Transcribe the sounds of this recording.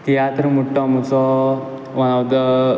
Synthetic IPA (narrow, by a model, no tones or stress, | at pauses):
t̪ijat̪ɾəmuʈːɔmut͡sɔ | ʋɐnawd̪ə